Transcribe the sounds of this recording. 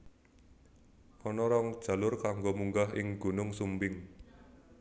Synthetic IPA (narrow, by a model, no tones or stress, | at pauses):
kɔnɔɾɔŋd̥ʒ̥ä̤lʊrkaŋɡomuŋɡaɦɪŋɡ̥ṳnʊŋsumbɪŋ